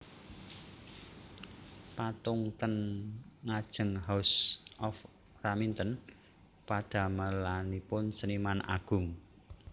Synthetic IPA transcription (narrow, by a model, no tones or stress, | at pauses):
pat̪ʊŋt̪ənŋad̥ʒ̥ə̤ŋɦawsʔɔf | ramint̪ən | pad̪̥a̤məlanipʊnsənimanʔa̰ɡ̥ʊ̤ŋ